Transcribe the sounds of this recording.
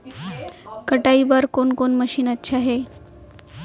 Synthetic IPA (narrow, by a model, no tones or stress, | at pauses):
kəʈaibəɾkonkonməɕiːnətːɕʰaɦe